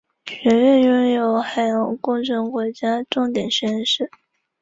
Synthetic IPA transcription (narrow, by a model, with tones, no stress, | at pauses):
t͡ɕʰɥɛ˧˥nlɥɛ˥˩njʊ˥ŋjo˧˥ʊxa˨˩ɪjɑ˧˥ŋkʊ˥˩ŋʈ͡ʂʰə˧˥ŋkwɔ˧˥t͡ɕja˥ʈ͡ʂʊ˥˩ŋt̪jɛ˨˩nɕɥɛ˧˥nʂɻ̩˥˩